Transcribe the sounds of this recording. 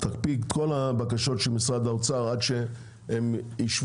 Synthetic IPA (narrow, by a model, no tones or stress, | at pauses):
t̪akpiɡtko̞labakaʃo̞tʃelmisʁad̪aot͡saʁadʃe | emiʃv